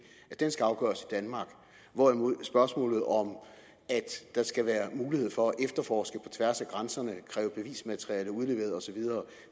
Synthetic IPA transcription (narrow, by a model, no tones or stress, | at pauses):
æ̥ensɡ̥æɑ̈ʊɡ̥œ̰ːɐsid̥ænmɑ̈ːɡ̥ | ʋɒ̥æmosb̥ɶɐsmɔ̰ːlð̩ˠɒ̽m | æd̥ːɑ̈sɡ̥æʋæːɐmuːlihe̝ð̞̰ˠfɒ̽æʔefd̥ɐfɒːsɡ̥əpʰɒ̽t͡sʰʋæɐsæɡ̥ʁansɐnəkʰʁɛːʊəb̥e̝ʋḭːsmæt͡sʰʁiɛləuð̞ˠle̝ʋḛɐð̩ˠɒ̽sɒ̽ʋið̞ˠɐː